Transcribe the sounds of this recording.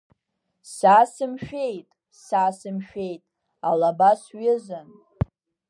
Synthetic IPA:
saːsɨmʃᶣe̞jtʼ | saːsɨmʃᶣe̞jtʼ | alabasɥɪzan

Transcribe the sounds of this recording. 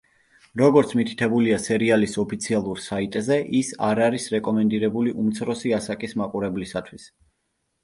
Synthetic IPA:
ɾɔɡɔɾt̪sʰmit̪ʰi̥t̪ʰɛbuliasɛɾialisɔpʰit̪sʰialˠuɾsait̪ʼzɛʔisaɾaɾisɾɛkʼɔmɛnd̪iɾɛbuliʔumt̪sʰɾɔsiasakʼismaqʼuɾɛblisat̪ʰwis

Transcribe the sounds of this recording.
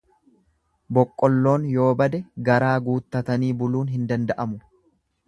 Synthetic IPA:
bɔkʼːɔlːo̞ːnjo̞ːbɐd̪ɛɡɐɾaːɡuːt̪ːɐt̪ɐniːbʊluːnɦɪnd̪ɐnd̪ɐʔɐmʊ

